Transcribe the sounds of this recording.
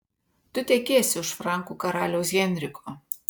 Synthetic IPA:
t̪ʊt̪ʲɛkʲeːsʲɪʊʃfɾɑˑŋkuːkɐɾɑːlʲɛʊs̬ɡʲɛnʲɾʲɪkʰoː

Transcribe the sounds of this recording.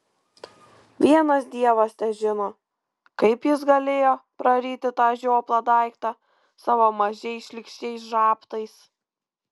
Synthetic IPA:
ʋʲiɛnɐsd̪ʲiɛʋɐst̪ʲɛʒʲɪnoː | kɐɪpjɪsɡɐlʲeːjoːpɾɐɾʲiːt̪ʲɪt̪ɑːʒʲoːplˠɐd̪ɑˑɪkt̪ɑ | sɑʋoːmɐʒʲɛɪsʃʲlʲɪkʃʲt͡ʃʲɛɪs̬ʒɑːpt̪ɐɪs

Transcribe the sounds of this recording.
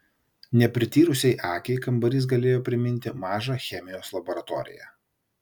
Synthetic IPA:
nʲɛpʲɾʲɪt̪ʲiːɾʊsʲɛɪʔɑːkʲɛɪkɐmbɐɾʲɪˑs̬ɡɐlʲeːjoːpʲɾʲɪmʲɪnʲt̪ʲɪmɑːʒɑxʲɛmʲɪjoːslˠɐbɔɾɐt̪ɔ̰ːɾʲɪ̰jæ̰

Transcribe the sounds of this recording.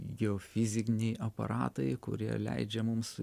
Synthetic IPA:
ɡʲɛoːfʲɪzʲɪkʲnʲɛɪʔɐpɐ̰ɾɑːt̪ɐɪkʊ̰ɾʲiɛlʲɛ̰ɪd͡ʒʲɛmʊms

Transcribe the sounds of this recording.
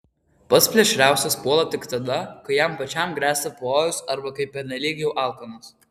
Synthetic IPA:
pɐt̪sʲpʲlʲɛʃʲɾʲæˑʊsʲɛspuɔlˠɐt̪ʲɪkt̪ɐd̪ɐkɐɪjɛmpɐt͡ʃʲɛmɡɾʲæːst̪ɐpoːjʊsɐɾbɐkɐɪpʲːɛnʲɛlʲiːɡʲjɛʊʔɑːˑlˠkɐnʊs

